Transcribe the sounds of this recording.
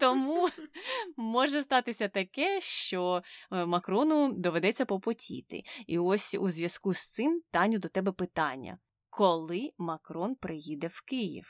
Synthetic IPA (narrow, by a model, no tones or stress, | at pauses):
t̪ɔmu | mɔʒɛst̪ɑt̪ɪsʲɐt̪ɐkɛʃt͡ʃɔmɐkɾɔnʊd̪ɔʋed̪ɛt͡sʲːɐpɔpɔtʲʰḭt̪ɪ̰iɔsʲṵzʲʋjɐskust̪sɪmt̪ɑnʲʊd̪ɔt̪ɛbɛpɪt̪ɑnʲːɐ̰ | kʰɔlˠɪmɐkɾɔnpɾɪjid̪ɛwkɪjḭw